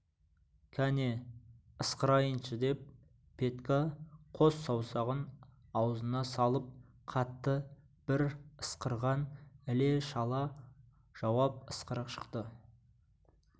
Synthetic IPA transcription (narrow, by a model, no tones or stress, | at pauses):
kʲʰæne | əsqəɾɑjənʃəd̪e̞p̚ːʰ | e̞t̪kaqʰo̞sːɑwsɑʁən | ɑwzənɑsɑlˠəp̚ | qʰɑt̪ːə | b̥ɪɾəsqəɾʁɑnɪle̞ʃɑlˠɑ | ʒ̥ɑwɑp̚əsqəɾəqʃə̥qt̪ə